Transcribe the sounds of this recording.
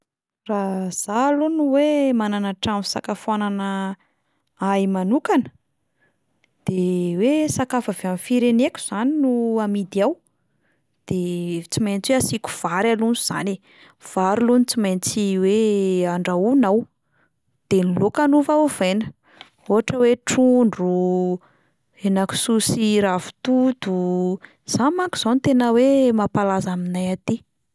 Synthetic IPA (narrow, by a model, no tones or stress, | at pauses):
raz̥alunuwemananaʈ͡ʂami̥sakafananə | ajmanukanə̥ | d̪̥ewesakafaveamfiɾenekʲu̥z̥aninuamid̪iaw | d̪̥et͡simejnt͡sweasiku̥v̥aɾalunuz̥a̰ne | v̥aɾilunit͡simajnt͡siweaɳɖ͡ʐaunaw | d̪̥enilokanuvav̥ejnə | oɦaʈ͡ʂəweʈ͡ʂuɳɖ͡ʐu | enaku̥susiɾavu̥t̪ud̪u | z̥amaŋku̥z̥ant̪enəwemapalazaminajat̪i